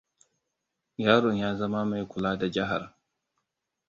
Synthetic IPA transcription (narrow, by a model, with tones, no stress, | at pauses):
jaː˦ɾɔ˨njaː˦zɐ˦ma˦ma˨jkʷʊ˨laː˦da˨d͡ʒɐ˦ɦa˨ɾ